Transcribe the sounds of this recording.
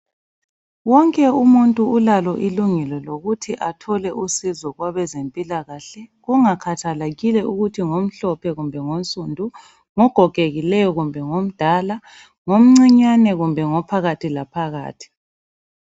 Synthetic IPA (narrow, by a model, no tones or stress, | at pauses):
wɔŋkʼɛumuntʼuːlalɔʔiluŋɛlɔloɣutʰiʔatʰɔlɛʔusizɔɣwaβɛzempʼilaɣaɬɛɣuŋakʰatʰalaɣilɛʔuɣutʰiŋom̩ɬɔpʰɛɣumbʱɛŋonsʼundʱu | ŋɔɡ̥ʱɔɡ̥ʱeɣilɛjɔɣumbʱɛŋom̩d̥ʱala | ŋom̩ŋ͡ǀiɲanɛɣumbʱɛŋɔpʰaɣatʰilapʰaɣa̰ːtʰi̥